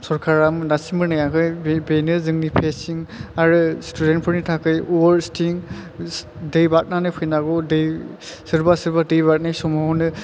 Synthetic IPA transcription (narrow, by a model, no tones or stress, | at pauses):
sɔɾkʰaɾamnasimbɯnɯjakɯjbenɯzɯŋnipʰesiŋaɾɯstʰudent̚pʰɔɾnitʰakʰɯjuɔɾstʰiŋ | dɯjbat̚nanɯpʰɯjnaɡɔdɯjsɯɾbasɯɾbadɯjbat̚najsɔmɔɦɔnɯ